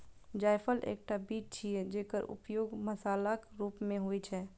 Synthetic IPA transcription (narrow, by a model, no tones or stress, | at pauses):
d͡ʒaːɪpʰəlʔḛːk̚ʈabiːt͡ʃ̚t͡ʃʰied͡ʒeːkəɾʊ̰pjoːɡmɐsaːlakɾuːpmẽɦoit͡ʃʰɛː